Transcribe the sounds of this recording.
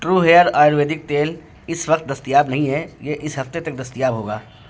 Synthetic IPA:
ʈɾuːɦeːəɾaːɾʋeːd̪ɪk̚t̪eːl | ɪsʋɐq̚t̪̚d̪ɐst̪ijaːbnɐɦĩɦɛjeʔɪsɦɐft̪et̪ɐk̚d̪ɐst̪ijaːbɦoːɡaː

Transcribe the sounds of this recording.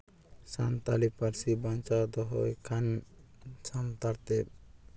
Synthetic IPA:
sant̪alipaɾsibant͡ʃad̪ɔɦɔjkʰan | t͡ʃʰamt̪aɾt̪e

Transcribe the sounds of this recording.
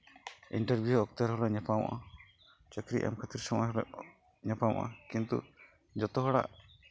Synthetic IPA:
ḭɳʈəɾbʱjuɔk̚t̪aɾɦɔlɔɲɛpawʔa̰ | t͡ʃəkɾiʔa̰mkʰət̪iɾsɔmajɦɔl | ɲɛpawʔa̰kint̪ṵ | d͡ʒɔt̪ɔɦɔɽa̰ʔ

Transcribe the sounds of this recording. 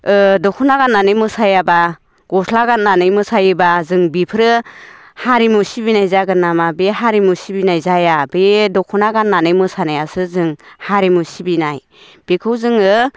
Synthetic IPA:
ɯdɔkʰunaɡanːanɯjmɯsajaba | ɡ̥ɔslaɡanːanɯjmɯsajɯbazɯŋbipʰɯɾɯ | haɾimɯsibinajzaɡɯnamabeɦaɾimɯsibinajzajabedɔkʰunaɡanːanɯjmɯsanajasɯzɯŋhaɾimɯsibinaj | b̥ekʰɯwzɯŋɯ

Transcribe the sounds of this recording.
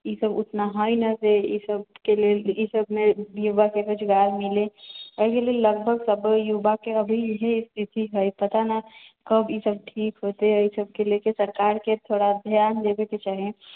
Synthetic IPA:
isəbʊt̪naɦɔinəseisəb̚keleisəbmejubakekʊt͡ʃʰɡaːɾmɪleɔkeleləɡbʱəɡsəbjubakeəbʱiɦeɪst̪ʰit̪iɦəjpɐt̪anəkəbʱisəb̚ʈʰiːkɦoːt̪eəisəb̚kelekesəɾkaːɾket̪ʰoːɽad̪ʱjaːnd̪ebeket͡ʃaːɦẽ

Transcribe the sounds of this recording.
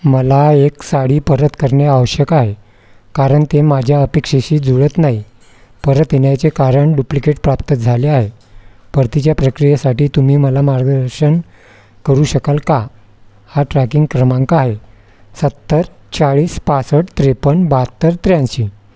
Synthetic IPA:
məlaeksaɽiːpəɾət̪kəɾɳjaaʋəɕjəkaɦe | kaɾəɳt̪emad͡ʑʱjaəpekʂeɕiːd͡zuɭət̪naɦi | pəɾət̪enjat͡sekaɾəɳɖuplikeʈpɾap̚t̪əd͡zʱaleaɦe | pəɾt̪it͡ɕjapɾəkɾijasaʈiːt̪umiːməlamaɾɡd̪əɾɕən | kəɾuːɕəkalka | haʈɾækiŋɡkɾəmãŋkaːɦe | sət̪ːəɾ | t͡saɭiːspasəʈt̪ɾepəɳbat̪ːəɾt̪ɾjãnɕiː

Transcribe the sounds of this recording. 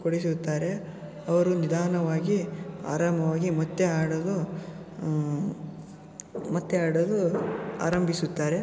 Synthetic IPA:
koɽis̬ut̪ːaːɾe̞ | ɐʋɐɾunid̪ʱaːnɐʋaːɡia̰ːɾaːmɐʋaːɡimɐt̪ːeaːɽɐlu | mɐt̪ːeaːɽɐlua̰ːɾɐmbʱisut̪ːaːɾe̞

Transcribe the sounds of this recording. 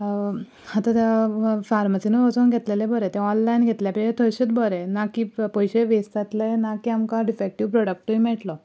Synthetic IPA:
hat̪ãt̪afaɾmasinəʋət͡sonɡʱet̪lelẽbɔɾet̪ẽɔnlainɡʱet̪ljapəɕet̪ʰəɾɕit̪bɔɾenakiːpɔjɕeʋest̪at̪lənakiːamkãɖifek̚ʈiʋpɾɔɽək̚ʈuimɛʈlɔ

